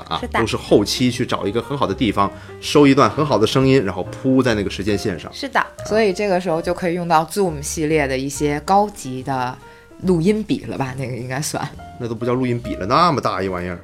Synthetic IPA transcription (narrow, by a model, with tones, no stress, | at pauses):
a̰˧˥o˥ʂɻ̩˥˧xo˥˩ʊt͡ɕʰi˥t͡ɕʰy˥˩ʈ͡ʂɑ˨˩ʊi˧˥ɡə˧xə˧˥nxɑ˨˩ʊd̪ə˦t̪i˥˩fɑ˩ŋ | ʂo˥ʊi˧˥t̪wa˥˩nxə˧˥nxɑ˨˩ʊd̪ə˦ʂɤ˥ŋi˥nɻa˧˥nxo˥˧ʊpʰu˥t͡sa˥˧ɪna˥˩ɡə˩ʂɻ̩˧˥t͡ɕjɛ˥nɕjɛ˥˧nʂɑ̰˥˩ʂɻ̩˥˩d̪ə̰˩swɔ˧˥i˨˩ʈ͡ʂɤ˥˩ɡə˩ʂɻ̩˧˥xo˧ʊt͡ɕjo˥˧ʊkʰɤ˧˥i˨˩jʊ˥˧ŋt̪ɑ˥˧ʊt͡su˥˩m̩˨˩ɕi˥˧ljɛ˥˩d̪ə˩i˥˩ɕjɛ˥kɑ˥ʊt͡ɕi˧˥d̪ə˧ | lu˥˩i˥npḭ˨˩lə̰˦bɐ˧na˥˩ɡə˩i˥ŋka˥ɪswa̰˥˩n | na˥˩t̪o˥pi˧˩t͡ɕjɑ˥˧ʊlu˥˩i˥npḭ˨˩lə̰˦na˥˧mə˩t̪a˥˧i˥˩wa˧˥nɛ̰˥˩